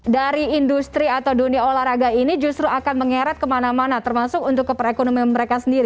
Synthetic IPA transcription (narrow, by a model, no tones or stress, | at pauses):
daɾiːndust̪ɾiat̪awduniaolahraɡainid͡ʒust̪ɾuakanməŋeɾat̪̚kəmanamanat̪ərmasʊkunt̪ʊkːəpərekonomianməɾekasəndiɾi